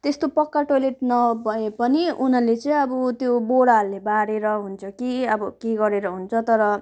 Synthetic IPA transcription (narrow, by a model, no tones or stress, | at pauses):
t̪est̪opʌkːaʈoleʈnʌbʱʌepʌniunʌlet͡sʌ̃ĩʌbut̪joboɽaɦulebaɾeɾʌɦunt͡sʰʌkiʌbʌkeɡʌɾeɾʌɦunt͡sʰʌt̪ʌɾʌ